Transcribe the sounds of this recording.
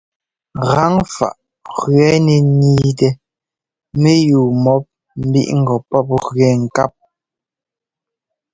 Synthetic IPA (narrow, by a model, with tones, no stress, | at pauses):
ɣa˦ŋfa̰˨ʔ | ɣɥɛ˨˦nɛ˨niː˦tɛ˨ | me˦juː˨mɔ˦p̚ | m̩˦bḭ˦ʔŋ̩˨ɡɔ˨pɔ˦p̚ɣɥɛ˨ŋ̩˨ka˦p̚